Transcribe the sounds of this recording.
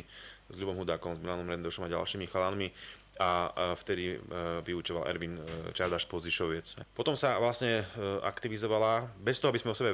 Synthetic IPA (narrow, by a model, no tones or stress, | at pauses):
zʎubɔmɦud̪aːkɔmzmilanɔmɾɛnd̪ɔʃɔmaɟa̰lʃiːmixalanmi | aft̪ɛd̪iʋiut͡ʃɔʋalɛ̰ɾʋint͡ʃaɾd̪aʃpɔziʃɔʋɪɛt͡sɛpɔt̪ɔmsaʋlasɲɛa̰kt̪iʋizɔʋalabɛst̪ɔɦɔabizmɛɔsɛbɛ